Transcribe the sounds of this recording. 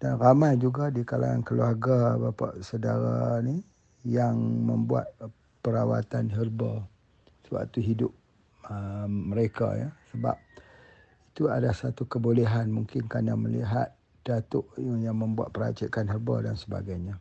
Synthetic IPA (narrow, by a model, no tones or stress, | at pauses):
danramajd͡ʒuɡadikalaŋankəluaɡabapaʔsədaɾa̰ni | jaŋməmbua̰t̪̚ | pəɾawa̰t̪anɦərbɔ | səwa̰ʔt̪uɦidʊp̚ | əməɾeka̰ja̰səba̰p̚ | it̪ua̰dasat̪ukəboleɦanmuŋkɪnkanaməlḭɦa̰t̪̚ | d̥at̪ʊʔjaŋmə̃mbua̰t̪̚pəɾa̰t͡ʃikanɦərbɔ̰dansəba̰ɡajɲa